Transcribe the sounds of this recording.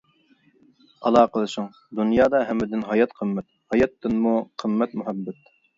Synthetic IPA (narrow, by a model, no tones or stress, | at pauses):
ɑlˠɑːqəlˠɨʃʊŋ | d̪unjɑːd̪ɑɦɛmːɪd̪ɪnɦɑjɑt̪qʰəmːɛt̪̚hɑjɑt̪ːɨnmuqʰəmːɛt̪mʊɦɛbːɛt̪̚